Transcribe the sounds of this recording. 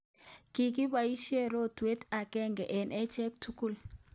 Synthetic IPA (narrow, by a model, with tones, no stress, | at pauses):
ki˨ki˦ba˨i˦ʃe˦ɾo˦twe˦ta˨kɛ˦ŋɡɛ˨ʔɛ˨nʔɛ˦t͡ʃɛ˦k̚tʰu˦ku˦˨l